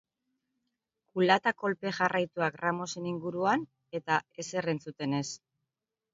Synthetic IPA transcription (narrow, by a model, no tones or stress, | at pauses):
kulat̪ako̞lpe̞ʝarʔajt̪uakramo̞se̞niŋɡuɾuan | e̞t̪ae̞se̞re̞nt͡sut̪e̞ne̞s